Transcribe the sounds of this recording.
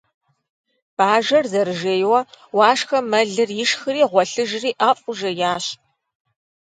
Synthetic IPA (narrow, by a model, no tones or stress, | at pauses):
b̥aːʒɐrzɐɾɨʒeːjwɐwɑːʂxɐmɐɮɨrjɪʂxɨriːʁʷɔɬɨʒriːʔaːfʼʊʒɐjaːɕ